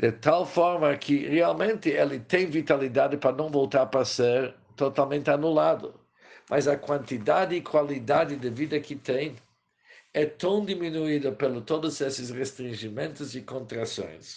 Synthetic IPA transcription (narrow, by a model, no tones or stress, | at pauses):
d̪̥ɪt̪alfɔɾmɐkʰɪʁealmẽnt̪ɪelɪt̪ẽj̃vit̪alid̪ad̪ɪpɾɐnɐ̃w̃volt̪aɾpɾaseɾ | t̪ot̪almẽnt̪ɪanulad̪ʊ̰ | mʔazɐkwãnt̪id̪ad̪ɪːkʰwalid̪ad̪ɪd̪ɪvid̪ɐkʰɪt̪ẽj̃ | ɛt̪ɐ̃w̃d̪iminuid̪ɐpelʊt̪od̪ʊzɛsɪsʁest̪ɾĩnʒimẽnt̪ʊzɪkõnt̪ɾasõ̰j̃s